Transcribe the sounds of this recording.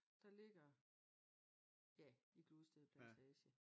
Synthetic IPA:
d̥ɑ̈le̝ɡ̥ɐ | jæiɡ̥losd̥eð̩ˠpʰlænt͡sʰɛːɕə

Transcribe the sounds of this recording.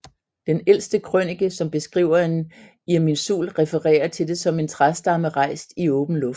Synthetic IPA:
d̥enel̰sd̥əkʰʁœniɡ̥əsɒ̽mb̥e̝sɡ̥ʁḭʊ̰ɐe̝n | iɐminsṵːlʁɛfəʁɛ̰ːɐt͡sʰe̝lde̝sɒ̽me̝nt͡sʰʁasd̥ɑ̈məʁɑ̈ɪ̰sd̥iɔ̽ːb̥n̩lɔ̽f

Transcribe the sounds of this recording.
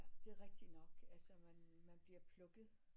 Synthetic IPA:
d̥e̝æʁɛɡ̥̚d̥inɒ̽ɡ̥ælsɒmænmænb̥liɐpʰlɔ̽ɡ̥ð̩ˠ

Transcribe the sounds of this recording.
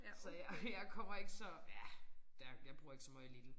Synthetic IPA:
sɒjajɑɪkʰɒ̽m̰ɐe̝ɡ̥əsɒjæd̥æjɑ̈ɪb̥ʁuɐe̝ɡ̥sɒmɑ̈ɪlid̥n̩

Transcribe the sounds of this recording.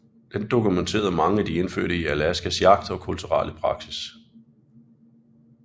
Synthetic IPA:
d̥end̥o̝kʰument͡sʰe̝̰ːɐð̩ˠmɑ̈ŋəæd̥ie̝nfø̰ɐ̰ɾəiælæsɡ̥æsjɑ̈ɡ̥̚d̥ɒ̽kʰult͡sʰuʁɑ̰ːləpʰʁɑ̈ɡ̥sis

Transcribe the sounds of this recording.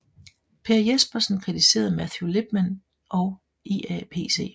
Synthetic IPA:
pʰe̝ɐjesb̥ɐsn̩kʰʁit͡sʰise̝̰ːɐð̩ˠmæθjule̝b̥mæn | ʔɒʊ | eːæpʰe̝̰ːse̝̰ː

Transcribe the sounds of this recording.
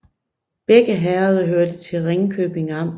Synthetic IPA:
b̥eɡ̥əɦæːɐðˠɐɦøɐd̥ət͡sʰe̝lʁeŋkʰøːb̥e̝ŋɑm̰

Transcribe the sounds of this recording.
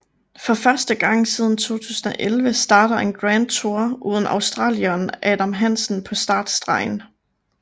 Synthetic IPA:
fɒ̽fɶɐsd̥əɡ̥ɑ̈ŋ̰siːð̞ˠn̩t͡sʰo̝̰ːt͡sʰṵːsn̩ɒ̽ʔelʋəsd̥ɑ̈ːɾ̥ɐe̝nɡ̥ʁænd̥̚t͡sʰo̝ɐ̰ʔuːð̞ˠn̩ɑ̈ʊsd̥ʁɑ̰̈ːljɒnʔɛːd̥æmɦæn̰sn̩pʰɒ̽sd̥ɑ̈ːd̥sd̥ʁɑ̈ɪ̰n

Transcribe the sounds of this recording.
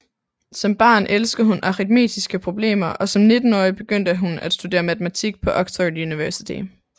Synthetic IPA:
sɒ̽mb̥ɑ̈ːnʔelsɡ̥ð̩ˠhunʔɑ̈ʁid̥me̝̰ːd̥isɡ̥əpʰʁo̝b̥le̝̰ːmɐʔɒ̽sɒ̽mne̝d̥n̩ɒɪb̥e̝ɡ̥øn̰d̥əɦunæd̥sd̥ud̥e̝̰ːɐmæt͡sʰemæt͡sʰiɡ̥̚pʰɒ̽ʔɒ̽ɡ̥t͡sʰɒd̥juniʋæɐsit͡sʰḭ

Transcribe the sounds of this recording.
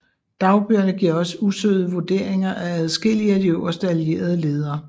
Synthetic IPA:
d̥ɑ̈ʊb̥yɐnəɡ̥iɐ̰ɒ̽səusø̰ːðˠəʋo̝d̥e̝̰ɐ̰eŋɐʔææð̩ˠsɡ̥el̰iæd̥ioɐsd̥ælije̝̰ːɐð̞ˠəle̝ːð̞ˠɐː

